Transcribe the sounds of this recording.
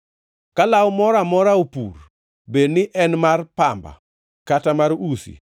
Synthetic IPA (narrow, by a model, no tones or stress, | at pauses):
kalawmɔɾamɔɾaopṵr | bednɪʔɛnmarpamba̰ | katamarusḭ